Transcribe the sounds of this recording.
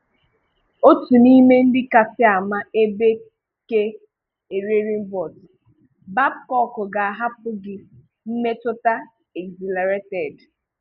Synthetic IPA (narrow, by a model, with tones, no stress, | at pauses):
o˦tu˨ni˦me˦n̩˦dɪ˦ka˨sɪ˦a˨ma˦e˦be˦ | ke˦ | e˨ɾe˦ɾi˦m̩˦bɔ˨t | ba˦b̚kɔ˦kʊ˨ɡa˨a˨ɦa˦p̚ʊ˦ɡɪ˨ | m̩˦me˦tʊ˦ta˦ | e˨ɡzi˨la˨ɾe˦tɛ˨d